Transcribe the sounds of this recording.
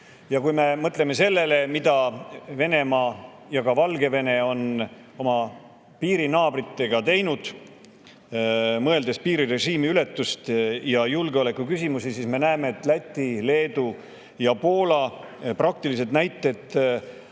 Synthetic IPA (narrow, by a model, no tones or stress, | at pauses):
jɑkujme̞mɤt̪ˑleme̞se̞lːe̞le̞mid̪̥ɑve̞ne̞mɑː | jɑɡɑvɑlɡe̞ve̞ne̞o̞n | o̞mɑ | piːɾinɑːbɾit̪ːe̞ɡ̥ɑt̪e̞jnud̪̥ | mɤ̞e̞ld̪e̞spiːɾire̞ʒiːmiyle̞t̪ːˑust̪jɑjulɡeo̞le̞kːˑukysʲimusisiːsme̞næeme̞ːt̪ːˑlæt̪ʲˑːile̞ːd̪̥u | jɑpo̞ːlɑ | prɑk̚t̪ilis̬e̞t̪næjt̪ˑːe̞t̪